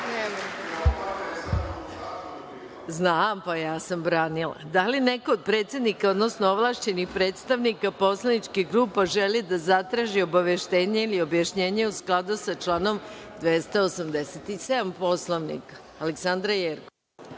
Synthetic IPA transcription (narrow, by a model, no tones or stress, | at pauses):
nema | znaːmpajaːsambɾaːnila̰d̪alinekood̪̚pɾe̞ːt̪sed̪nikaod̪no̞snooʋlˠaʃt͡ɕe̞nixpɾe̞ːt̪st̪aʋnikapo̞slˠanit͡ʃkiɡɾuːpaʒelid̪azat̪ɾaːʒio̞baʋeʃt̪eːɲeilio̞bjaʃɲe̞ːɲeusklˠad̪usat͡ʃlˠaːno̞md̪ʋest̪aosamd̪eset̪ise̞d̪ampo̞slˠoʋnḭkḁ | aleksand̪ɾajeɾko